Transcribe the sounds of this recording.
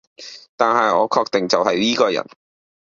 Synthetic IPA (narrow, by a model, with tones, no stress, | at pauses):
t̪aː˨nɦɐ˨jɔː˨˧kʰɔː˧k̚t̪ɪ˨ŋt͡sɐ˨wɦɐ˨jliː˥kɔː˧jɐ̰˨˩n